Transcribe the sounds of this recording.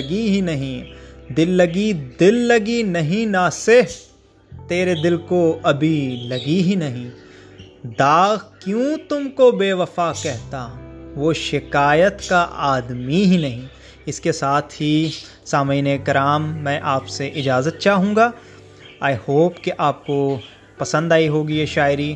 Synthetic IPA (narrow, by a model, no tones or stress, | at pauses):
ɐɡiɦinɐɦĩd̪ɪlːɐɡid̪ɪlːɐɡinɐɦĩnaːsef | t̪eːɾed̪ɪlkoɐbʱilɐɡiɦinɐɦĩː | d̪aːɣkjũːt̪ʊmkobeːʋɐfaːkɛɦt̪aʋoʃɪkaːjət̪kaʔaːd̪miɦinɐɦĩ | ɪskesaːt̪ʰɦi | saːməːnekɐɾaːmːɛ̃ːʔaːpseʔɪd͡ʒaːzət̪̚t͡ʃaːɦũːɡaː | aːihoːpkeʔaːp̚ko | pɐsə̃nd̪aːiɦoːɡieʃaːɪɾi